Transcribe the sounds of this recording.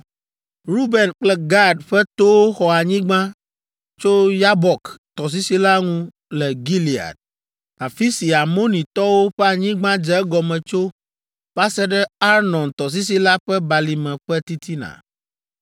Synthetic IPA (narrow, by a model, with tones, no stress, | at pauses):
ɾu˦bɛ˨nk͡plɛ˦ɡa˦ɖɸɛ˦t̪o˦wo˦xɔ˨a˨ɲĩ˦ɡ͡bã˦ | t͡ʃo˦ja˦bɔ˨kt̪ɔ˨s̬i˦si˦la˦ŋũ˦ | lɛ˨ɡi˦li˨a̰˨d̪̚ | a˨fi˦si˨a˨mo˦nĩ˨t̪ɔ˦wo˦ɸɛ˦a˨ɲĩ˦ɡ͡bã˦d͡ʒɛ˦ɛ˦ɡɔ˨mɛ̃˨t͡ʃo˦ | ɸa˦sɛ˦ɖɛ˦a˦ɾnɔ̃˨nt̪ɔ˨s̬i˦s̬i˦la˦ɸɛ˦ba˨li˨mɛ̃˨ɸɛ˦t̪i˦t̪ʰi˦nã̰˨